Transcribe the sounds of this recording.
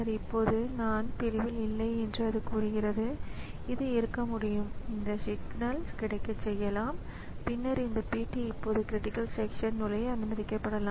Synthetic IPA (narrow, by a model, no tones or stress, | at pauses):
ɐɾɪpːoːðɯnaːnpɪɾɪʋɪlɪlːɐɪɛndrɯɐðɯkuːɾɯɣɪrɐðɯɪðɯɪɾɯkːɐmʊɽɪjɯmɪnd̪ɐsɪɡnɐlskɪɽɐɪkːɐt͡ʃɛjːɐlaːm | pɪnːɐɾɪnd̪ɐpiːʈːiɪpːoːðɯkɪɾɪʈɪkːɐlsɛkʂɐnnʊlɐjɐnmɐðɪkːɐpːɐɽɐlaː